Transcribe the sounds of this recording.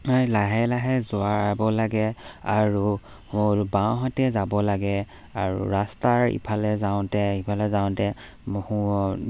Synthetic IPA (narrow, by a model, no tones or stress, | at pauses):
ajlaɦɛlaɦɛzʊaɹbɔlaɡɛaɹu | moɹbawɦatɛzabɔlaɡɛ | aɹṵɹastaɹḭpʰalɛzaʊ̃tɛipʰalɛzaʊ̃tɛ | mhu